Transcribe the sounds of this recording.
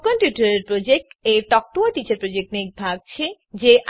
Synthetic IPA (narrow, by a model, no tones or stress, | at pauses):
kɔnpjuʈaɾeɾpɾod͡ʑek̚ʈeɾʈɔk̚ʈoaʈit͡ɕaɾpɾod͡ʑek̚ʈnek̚bʱaɡ̚t͡ɕʰe | d͡ʑeʔ